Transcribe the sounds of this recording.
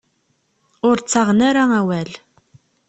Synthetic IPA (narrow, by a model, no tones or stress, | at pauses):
ʊɾt͡sːɑʁnaɾaæwæl